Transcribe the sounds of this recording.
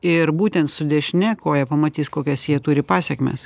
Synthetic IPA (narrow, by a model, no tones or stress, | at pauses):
ɪɾbuːt̪ʲɛnt̪sʊd̪ʲɛʃʲnʲɛkoːjɛpɐmɐt̪ʲiːskoːkʲɛsjiɛt̪uːɾʲɪpɑːsʲɛkmʲḛs